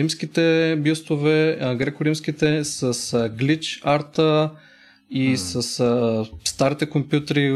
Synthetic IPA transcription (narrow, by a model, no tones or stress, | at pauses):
imskit̪ɛbust̪ovɛɡɾɛkʊɾimskit̪ɛsɐsɡlit͡ʃaɾt̪ə | isəsst̪aɾit̪ɛkompjut̪əɾi